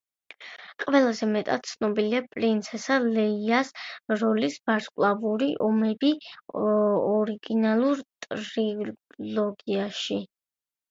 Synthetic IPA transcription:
qʼvɛlˠazɛmɛt̪ʼat̪̚t̪sʰnɔbiliapʼɾint̪sʰɛsalɛiasɾɔlisb̥aɾskʼlˠavuɾiʔɔmɛbi | ɔɾiɡinalˠuɾt̪ʼɾilˠɔɡiaʃi

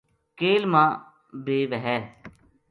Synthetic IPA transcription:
keːlmãː | beːʋəɦɛː

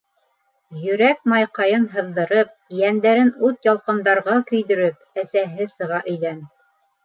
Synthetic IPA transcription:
jɵ̆ɾæk̚mɑjqɑjɤnɦɤ̆ðːɤ̆ɾɤp̚jænd̪æɾɘnʉt̪jɑlˠqɤ̆md̪ɑɾʁɑkɵ̆jðɵ̆ɾɘp̚ | æsæɦɘsɤ̆ʁɑʔɵ̆jðæn

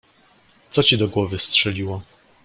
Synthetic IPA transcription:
t̪sɔt͡ɕid̪ɔɡwɔvɘstʂɛlʲiwɔ

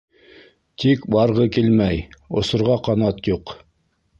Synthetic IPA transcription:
t̪ikbɑɾʁɤkilmæjŏ̰sŏɾʁɑqɑnɑt̪juq

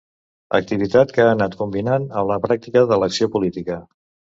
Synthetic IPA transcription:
ə̰k̚t̪iβit̪at̪kaːnat̪kumbinanəmləpɾak̚t̪ikəðələksiopulit̪ikə

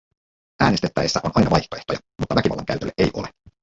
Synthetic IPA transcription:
ʔæːnest̪et̪ːæ̰jesːæʔo̞nʔɑjnɑʋɑjht̪oe̞ht̪o̞jɑ | mut̪ːɑʋækiʋɑlːɑŋkæyt̪ølːeʔejʔo̞̰le

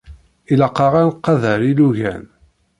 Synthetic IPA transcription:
ilɑqːɑʁænqːɑðəɾiluʝæ̰n

